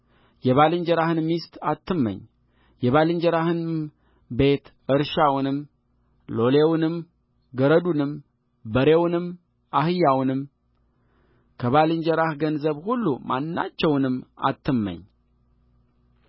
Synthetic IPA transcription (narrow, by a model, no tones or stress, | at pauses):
jɛβalɨɲd͡ʒɛɾahɨnmist̪at̪ːɨmːə̰ɲː | jɛβalɨɲd͡ʒɛɾahɨn | be̞t̪ | ɨɾʃawnɨm | lo̞lewnɨm | ɡəɾəd̪unɨm | bəɾewnɨm | ahɨjːawnɨm | kʰəβalɨɲd͡ʒɛɾahɡənzəβhulːuma̰nːa̰t͡ʃːɛwnɨma̰t̪ːɨmːə̰ɲː